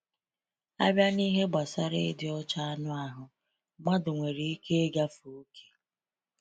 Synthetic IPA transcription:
a̰˦bja˦ni˦ɦe˦ɡ͡ba˨sa˦ɾe˦dɪ˨ɔ˦t͡ʃa˦a˦nʊ˦a˨ɦʊ˨ | ma˦dʊ˨ŋʷe˨ɾi˨i˦ke˦e˦ɡa˦fu˨u˦kʰe̥˦

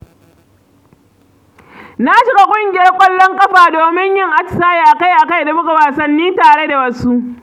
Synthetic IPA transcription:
na˦ʃɪ˦ɡa˦kʷʼʊ˦ŋɡʲɪ˦jɐ˦rkʷʼɐ˦lːɔ˦ŋkʼɐ˦ɸaː˨doː˨mɪ˦ɲjɪ˦ŋʔa˦t͡ʃɪ̥˨saː˦ji˨ʔa˨ka˦jʔa˨ka˦jda˨bʊ˦ka˨waː˨sɐ˨nːiː˦taː˨ɽe˦da˨wɐ˦su˦ʔ

